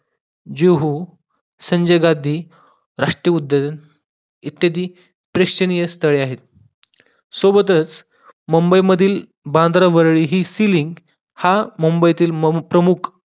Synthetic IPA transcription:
d͡ʑeɦu | səɲd͡ʑəjɡad̪ʱiː | ɾaʂʈɾijəud̪ːəd̪ən | it̪jad̪iː | pɾekt͡ɕənijəst̪ʰəɭeaɦet̪̚ | sobət̪̬ət͡s | məmbəjməd̪ʱiːl | bãnd̪ɾaʋəɾɭiːɦiːsiliŋɡ | haməmbəjt̪iːlmpɾəmukʰ

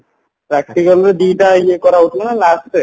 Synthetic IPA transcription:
pɾɛk̚ʈikalɾed̪iʈaiekɔɾaut̪ʰmanalasʈe

